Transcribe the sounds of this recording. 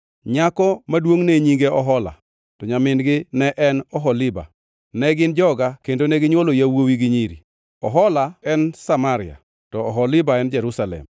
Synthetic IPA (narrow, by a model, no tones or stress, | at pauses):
ɲakɔmadwoŋneɲiŋɡeɔɦɔla̰ | tɔɲamɪnɡɪnɛʔɛnɔɦɔlɪba̰ | nɛɡɪnd͡ʒɔɡakendonɛɡɪɲwolojawowiɡɪɲiɾḭ | ɔɦɔlaɛnsamaɾɪa̰ | tɔːɦɔlɪbaɛnd͡ʒɛɾusalɛ̰m